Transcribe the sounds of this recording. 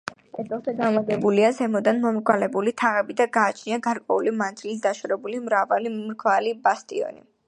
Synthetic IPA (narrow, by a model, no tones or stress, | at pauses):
ɛd̪ɛlˠt̪ɛɡ̪amad̪ɛbuliazɛmɔd̪anmɔmɡwalɛbulit̪ʰaʁɛbid̪aɡaːt͡ʃʰniaɡaɾkʼwɛulimant̪ʰilid̪aʃɾɛbulimɾavalimɾkʰwalibast̪ʼiɔ̰nḭ